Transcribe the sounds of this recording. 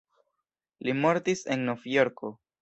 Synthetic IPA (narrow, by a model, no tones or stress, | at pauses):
limo̞ɾtise̞̰nːo̞vjo̞ɾkʰo̞